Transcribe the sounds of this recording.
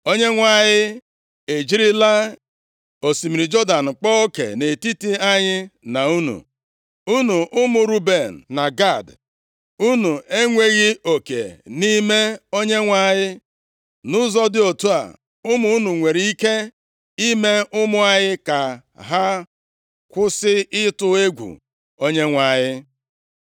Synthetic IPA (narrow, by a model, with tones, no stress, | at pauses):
o˦ɲe˦ŋʷa˦˨ɲɪ˦ | e˨d͡ʒi˦ɾi˦la˦ | o˨si˨mi˨ɾi˨d͡ʒɔ˦da˨n̩˨k͡pɔ˦o˦kḛ˨ne˨ti˦ti˦a˦ɲɪ˦na˨u˦nṵ˨ | u˦nu˨ʔʊ˦mʊ˨ɾu˦be˨n̩˨na˨ɡa˦˨d | u˦nu˨ʔe˦ŋʷe˦ɣɪ˦o˨kḛ˨ni˦me˦o˦ɲe˦ŋʷa˨ɲɪ˦ | nʊ˦zɔ˦dɪ˦o˨tu˦a̰˨ | ʊ˦mʊ˦u˦nu˨ŋʷe˨ɾi˦i˦ke˦ | i˦me˦ʊ˦mʊ˦a˦ɲɪ˦ka˨ | ɦa˦ | kʷʊ˦sɪ˦ɪ˦tʊ˦e˦ɡʷṵ˨ | o˦ɲe˦ŋʷa˨ɲɪ˦